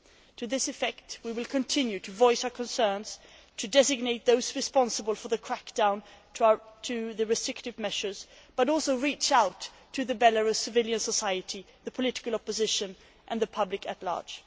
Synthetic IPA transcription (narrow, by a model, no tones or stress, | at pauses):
tʰɨðɪsɨfɛk̚t̚wiwɨlˠkʰɨ̃ntʰɪ̃njʉɾɨvɔɪsaʊə˞kʰɨ̃nsɜ̃˞nz̥ | tʰɨdɛzɨɡ̚neɪt̪̚ðoʊzɹɨspɑ̃nsəbəlˠfə˞ðɨkʰɹ̥ækd̥ãʊ̃nʰ | tʰɨðɨɹɨstɹ̥ɪktɨvmɛʃə˞z̥ | b̥ʌɾɔlˠsoʊɹit͡ʃaʊtʰː | ɨðɨbɛlə˞ʌv̥sɨvɪlˠjɨ̃nsəsaɪɨɾi | ðɨpʰəlɪɾɪ̥kəlˠɑpɨzɪʃɨ̃n | ʔɨ̃nðɨpʰʌblɨkɨtˡlɑ̰ɹd̥ʒ̥